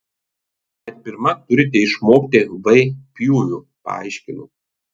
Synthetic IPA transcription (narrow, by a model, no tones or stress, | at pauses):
ɐt̪ʲbʲɪɾmɐt̪ʊɾʲɪt̪ʲɛɪʃmoːkt̪ʲɪʋɐɪpʲjuːjʲu | pɐ̰ɐ̰ɪʃʲkʲɪnʊ